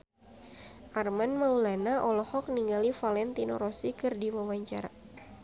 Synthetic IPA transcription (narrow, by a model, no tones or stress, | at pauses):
ʔarmanmaulanaʔɔlɔhɔk̚niŋɡalifalɛnt̪inɔ̰ɾɔsikɨrdiwawaɲt͡ʃa̰ɾa̰